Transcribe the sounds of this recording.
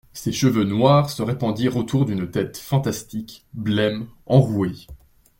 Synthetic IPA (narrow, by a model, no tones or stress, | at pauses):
seʃəvønwaːʁsəʁepɑ̃d̪iʁot̪uʁd̪ynt̪ɛt̪fɑ̃t̪ast̪ikblɛmɑ̃ʁue